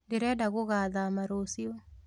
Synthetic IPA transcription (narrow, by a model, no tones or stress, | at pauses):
deɾɛdaɣoɣaðamaɾosjo